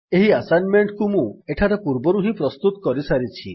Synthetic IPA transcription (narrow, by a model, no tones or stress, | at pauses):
eɦiasanmeɳʈkumũeʈʰaɾepuɾbɔɾuɦĩpɾɔst̪ut̪ɔkɔɾisaɾit͡ʃʰḭ